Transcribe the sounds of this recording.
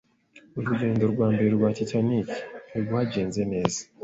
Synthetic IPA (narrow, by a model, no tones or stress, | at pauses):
uɾuɟe̞ːndo̞ɾɡwaːmbeɾeɾɡwatitʰanici̥uɾɡuhaɟe̞ːnze̞ne̞ːzḁ